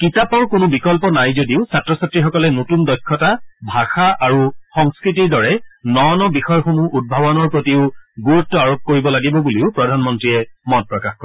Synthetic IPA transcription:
kitapɔɹkʊnʊbikɔlpɔnajzodiʊsatɹɔsatɹixɔkɔlɛnotundɔjkʰːɔtabʱaxaʔaɹuxɔŋskɹitiɹdɔɹɛnɔnɔbixɔjɔxomuʔud̚bʱabɔnɔɹpɹotiʊɡuɹutːɔaɹop̚koɹibɔlaɡibɔbuliʊpɹɔdʱanmɔntɹiɛmɔt̚pɹɔkaxkɔɛ

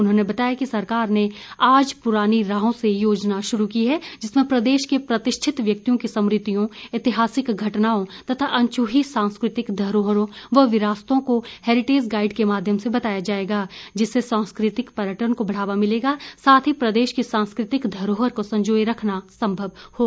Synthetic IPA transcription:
ʊnɦõːnebɐt̪aːjakisɐɾkaːɾneaːd͡ʒpʊɾaːniɾaːɦõsejoːd͡ʒnaʃʊɾukiɦɛd͡ʒɪsmẽpɾɐd̪eːʃkepɾɐt̪ɪʃʈʰɪt̪ʋjɐk̚t̪ijõkisɐ̃mɾɪt̪ijõɪt̪ɪɦaːsɪkɡʱɐʈnaːõt̪ɐt̪ʰaʔɐ̃ɲt͡ʃuːɦisãːnskɾɪt̪ɪkd̪ʱɐɾoːɦəɾõʋɐʋɪɾaːst̪õkohɛːɾɪʈeːd͡ʒɡaːɪɖkemaːd̪ʱjəmsebɐt̪aːjad͡ʒaːeːɡaːd͡ʒɪsːesãːnskɾɪt̪ɪkpɐɾjəʈəɾnkobɐɽ̤aːʋamɪleːɡaːsaːt̪ʰɦipɾɐd̪eːʃkisãːnskɾɪt̪ɪkd̪ʱɐɾoːɦəɾkosɐ̃ɲd͡ʒoːjɾɐkʰnasɐ̃mbʱəʋhoː

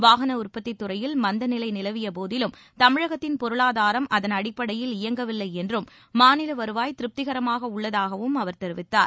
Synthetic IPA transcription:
ʋaːɣɐnɐʊrpːɐt̪ːɪt̪ːʊrɐjɪlmɐnd̪ɐnɪlɐɪnɪlɐʋɪjɐpoːðɪlɯm | t̪ɐmɪɻɐɣɐt̪ːɪnpɔɾɯɭaːðaːɾɐmʔɐðɐnɐɽɪpːɐɽɐjɪlɪjɐŋɡɐʋɪlːɐɪɛndrɯmː | aːnɪlɐʋɐɾɯʋaːjt̪ɪɾɯp̚t̪ɪɣɐɾɐmaːɣɐʊɭːɐðaːɣɐʋɯmɐʋɐɾt̪ɛɾɯʋɪt̪ːa̰ːɾ

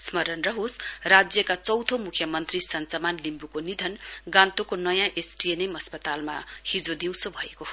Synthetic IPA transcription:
smʌɾʌnrʌɦosrad͡zjʌkat͡sʌwt̪ʰomukʰjʌmʌnt̪risʌnt͡sʌmanlimbukonid̪ʱʌnɡãnt̪okonʌjãʔesʈienemʌspʌt̪alma̰hid͡zod̪iw̃sobʱʌekoɦo

